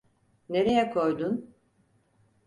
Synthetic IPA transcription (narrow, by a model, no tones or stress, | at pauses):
ne̞ɾe̞jɛkʰo̞jd̪un